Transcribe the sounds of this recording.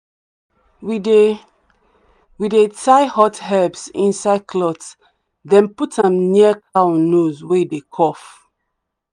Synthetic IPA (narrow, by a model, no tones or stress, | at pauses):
wi | widetʰaɪhɔthɛbsḭ̃nsaɪd̚kʰlɔts | dɛ̃nputãmniəkʰawnozweidekʰɔf